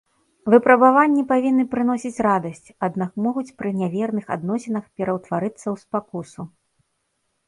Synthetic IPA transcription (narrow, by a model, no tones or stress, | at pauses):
vɨpɾɐbavanʲːipavʲinːɨpɾɨn̪ɔsʲit͡sʲrad̪ɐsʲt͡sʲad̪nakmɔɣut͡sʲpɾɨnʲavʲɛrnɨxa̰d̪nɔsʲɛnɐxpʲɛɾɐwt̪vaɾɨt̪sːɐwspakusu